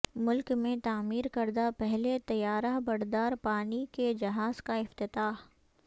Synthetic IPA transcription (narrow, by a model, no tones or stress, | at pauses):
mʊlkmẽt̪aːmiːɾkɐɾd̪apɛɦlet̪ɐjaːɾabɐɾd̪aːɾpaːniked͡ʒɐɦaːzkaɪft̪ɪt̪aːɦ